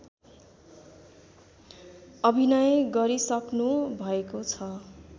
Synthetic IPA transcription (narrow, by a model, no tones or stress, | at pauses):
ʌbʱinʌjɡʌɾisʌknubʱʌekot͡sʰʌ